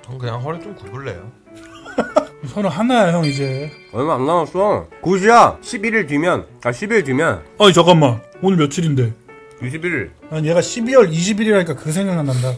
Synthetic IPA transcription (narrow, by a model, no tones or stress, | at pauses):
t͡ɕʌŋkɯɲaŋsʰʌɾɯt͡ɕ͈omkubɯɭːḛjo | sʰʌɾɯɦanajɦjʌŋid͡ʑe̞ | ʌjmaanːawos͈ʌŋkuɕ̬ʰiaɕʰibiɾɯɭtwimjʌnaɕʰibiɾɯɭtɥimjʌnaɲit͡ɕʌɡamːa | onɯmjʌt͡ɕʰiɾinde̞ | juɕ̬ʰibiɾiɭane̞ɡaɕʰibiwʌɾiɕʰibiɾiɾɦaɲik͈akɯsʰeŋɡaŋnananda